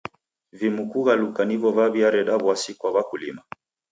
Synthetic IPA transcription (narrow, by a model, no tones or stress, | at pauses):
vimukuɣalukanivɔvaβiaɾɛɗaβwasikwaβakulḭma